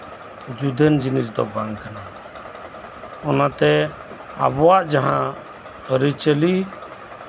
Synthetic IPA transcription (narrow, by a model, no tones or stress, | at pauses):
d͡ʒud̪ʱənd͡ʒinisd̪ɔ̰baŋkʰana | ɔnat̪ɛ | a̰bɔwaʔd͡ʒaɦã | əɾit͡ʃəli